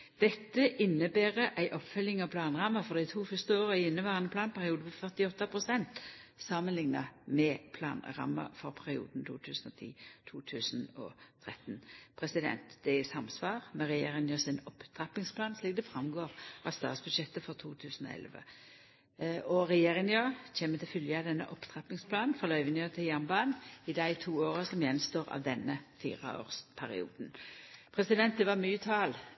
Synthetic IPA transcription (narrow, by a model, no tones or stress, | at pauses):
d̪̥ɛt̪ːəʔɪnːəbæːʁəʔæɪʔɔpfœlɪŋɑʋpʰlɑːnʁɑmːɑfɔʁd̪ɛæɪt̪ʰuːfʏst̪əoːʁæɪɪnːəʋæːʁɑnəpʰlɑːnpʰæʁɪuːd̪əmɛfœʁt̪ɪɔt̪ːɑpʰʁʊsɛnt̪sɑmːənlɪŋnɑmɛpʰlɑ̰ːnʁɑ̰mːɑ̰fɔʁpʰæʁɪṵːd̪n̩t̪ʰṵːt̪ʰʉːsn̩ɔt̪ʰḭːt̪ʰuːt̪ʰʉːsnɔ̰t̪ʰʁɛt̪npʰʁɛsɪd̪ɛ̰nt̪d̪̥ɛsɑmsʋɑːʁmɛʁɛjeːʁɪŋjəsɪnɔpːt̪ʰʁɑpɪŋspʰlɑːnsliːk̚d̪ɛfʁɑmɡoːʁʔɑst̪ɑ̰ːt̪sb̥ʉd̪ʃɛt̪ːəfɔʁt̪ʰuːt̪ʰʉːsn̩ɔ̰ːɛ̰lʋə̰ | ɔʁɛjeːʁɪŋjɑt͡ɕeːmət̪ʰɪlfʏljəɑd̪ɛnːə̰ʔɔpːt̪ʰʁɑpɪŋspʰlɑːnn̩fʁɑlœʏʋɪnjøt̪ʰɪljɑmbɑːnɪd̪æɪt̪ʰuːoːʁəsɔmjɛnst̪oːɾɑ̰ʋd̪ɛnːəfḭːʁɑ̰o̰ːʁspʰæɾɪ̰ṵːd̪n̩pʰʁɛsɪd̪ɛnt̪̚d̪ɛʋɑmyːət̪ʰɑːl